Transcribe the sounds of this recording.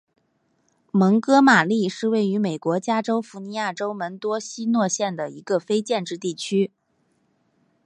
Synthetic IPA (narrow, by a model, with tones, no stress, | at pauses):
mɤ˧˥ŋkɤ˥ma˨˩li˥˧ʂɻ̩˥˧we˥˩ɪy˧˥me˨˩ɪkwɔ˧˥t͡ɕja˥ʈ͡ʂo˥ʊfu˧˥ni˧˥ja˥˩ʈ͡ʂo˥ʊmə˧˥nt̪wɔ˥ɕi˥nwɔ˥˧ɕjɛ˥˩nd̪ə˩i˧˥ɡə˧fe˥ɪt͡ɕjɛ˥˧nʈ͡ʂɻ̩˥˧t̪i˥˩t͡ɕʰy˥